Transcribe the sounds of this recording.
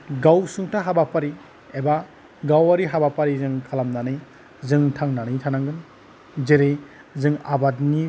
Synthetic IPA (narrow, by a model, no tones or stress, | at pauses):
ɡawsuŋtʰaɦabapʰaɾi | eba | ɡawaɾiɦabapʰaɾizɯŋkʰalamnanɯj | zɯŋtʰaŋnanɯjtʰanaŋɡɯn | zeɾe | zɯŋabadni